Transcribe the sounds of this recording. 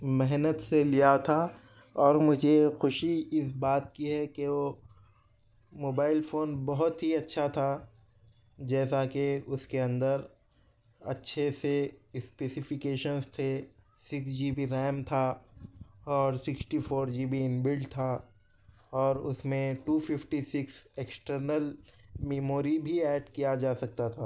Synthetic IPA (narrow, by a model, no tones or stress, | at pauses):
mɛɦnət̪selijat̪ʰa | ɔːɾmʊd͡ʒʱexʊʃiɪsbaːt̪̚kiɦɛkeo | moːbaːɪlfoːnbɔɦʊt̪ɦiɐtːʃʰat̪ʰa | d͡ʒɛːsakeʊskeɐ̃nd̪əɾ | ɐ̰tːʃʰesespeːsɪfɪkeːʃənst̪ʰe | sɪksd͡ʒiːbʱiɾɛːmt̪ʰa | ɔːɾsɪksʈifʰoːɾd͡ʒiːbʱiɪnbɪlɖt̪ʰa | ɔːɾʊ̰smẽʈuːfɪfʈisɪkseːksʈəɾnəlmeːmoːɾibʱiɛːɖkijad͡ʒaːsɐk̚t̪at̪ʰaː